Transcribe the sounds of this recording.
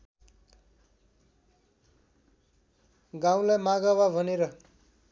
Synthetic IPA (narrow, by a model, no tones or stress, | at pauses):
ɡaw̃lajmaɡawabʱʌneɾʌ